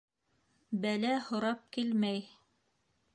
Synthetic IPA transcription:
bælæhŏɾɑp̚kilmæj

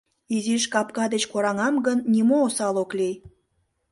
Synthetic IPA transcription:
iziʃkɑpkɑd̪et͡ɕkoɾɑŋɑmɡənːimoːsɑloklij

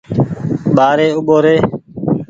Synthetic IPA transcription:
ɓaːɾeːʊɓoːɾeː

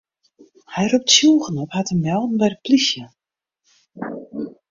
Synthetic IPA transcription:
hɛjrup̚tsjulˠɣənɔphatəmɛlˠdn̩bɛjdəplisjə

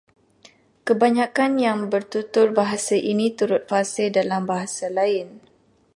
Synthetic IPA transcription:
kəbaɲãkanjaŋbərt̪ut̪ʊrbaɦasaʔinĩt̪uɾʊt̪̚fasɪldalambaɦasalaɪn

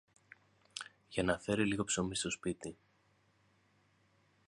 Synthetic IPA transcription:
ʝɐnɐθe̞ɾiliɣo̞pso̞mist̪o̞spit̪i

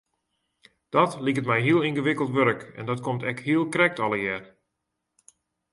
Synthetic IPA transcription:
d̥ɔtlikətmɛjɦiəlˠinɣəʋɪkəlˠtʋøɾəkɛ̰ndɔtkomtɛkhiəlˠkrɛk̚tɔləjɛːr

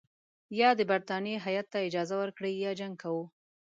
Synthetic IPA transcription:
jɑd̪əbaɾt̪ɑnjeɦajat̪ːaɪd͡ʒɑzawəɾkɽəjɑd͡ʒaŋɡ̚kawu

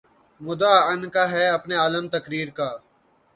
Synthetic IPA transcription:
mʊd̪aːənkaːɦɛːɐpneːaːləmt̪əkɾiːɾkaː

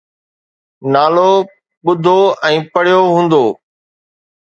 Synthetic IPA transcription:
naːloː | ɓʊd̪ʱoːɛ̃ːpəɽ̤ɪjoːɦũːnd̪oː

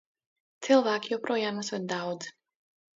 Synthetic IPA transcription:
t̪sʰɛlˠvaːkʰiɔpɾɔjamasvad̪aɔd̪z

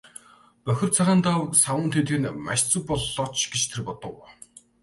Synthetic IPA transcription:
pœxʲɪ̆rt͡sʰaʁaːnt̪awsawʊːnt̪ʰet̪̆ɘ̆nma̰ʃt͡sə̆k̚pɔɮːɔːt͡ɕɡ̥et͡ɕt̪ʰerpɔt̪ɞ̆w

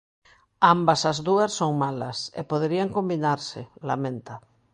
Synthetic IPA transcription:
ambasazðuasːoŋmalasḛpoðeɾiaŋkombinaɾsɪ̰lamẽnt̪a

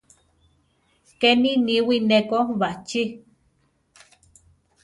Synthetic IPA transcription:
keniniwinekoβat͡ʃi

